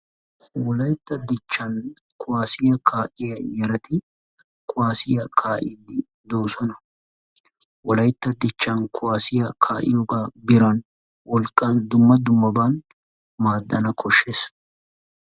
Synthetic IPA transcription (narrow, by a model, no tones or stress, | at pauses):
wɔlɐjt̪ːɐd̪ɪt͡ʃːɐnkʰʊwaːsɪjɐkʰaːʔɪjɐjɛɾɐt̪ɪ | kʰʼʊwaːsɪjɐkʰaːʔɪ̰d̪ɪ | d̪oːsɔnɐ | wɔlɐjt̪ːɐd̪ɪt͡ʃːɐnkʰʊwaːsɪjɐkʰaːʔɪ̰joːɡaːbɪɾɐn | wɔlkʼːɐnd̪ʊmːɐd̪ʊmːɐbaːn | maːd̪ːɐnɐkʰɔʃːe̞ːs